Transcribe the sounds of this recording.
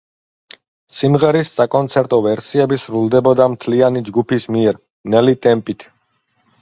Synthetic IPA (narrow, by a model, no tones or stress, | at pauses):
simʁɛɾissakʼɔnt̪sʰɛɾt̪ʼɔvɛɾsiɛbisɾulˠd̪ɛbɔd̪amt̪ʰlianid͡ʒɡupʰismiɛɾ | nɛlit̪ʼɛmpʼit̪ʰ